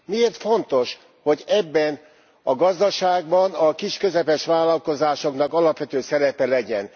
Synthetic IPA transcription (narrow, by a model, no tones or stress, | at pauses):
mieːrt̪fo̞n̪t̪o̞ʃ | ho̞ɟɛbːɛn | ɒɡɒzd̪ɒʃaːɡbɒnɒkiʃkø̞zɛpɛʃʋaːlɒlko̞zaːʃo̞knɒkɒlɒpʋɛt̪øːsɛɾɛpɛlɛɟɛn